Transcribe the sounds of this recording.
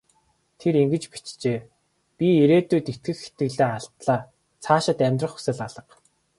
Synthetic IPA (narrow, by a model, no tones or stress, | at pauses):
t̪ʰeɾiŋɡɘ̆t͡ɕpi̥t͡ɕt͡ɕeː | pʲieɾeːt̪uːt̪et̪ɡɘ̆xxe̥t̪ɡɘ̆ɮeːaɬt̪ɮaː | t͡sʰaːʃɪ̆t̪æmʲt̪rə̆χu̥sɘ̆ɮaɮə̆q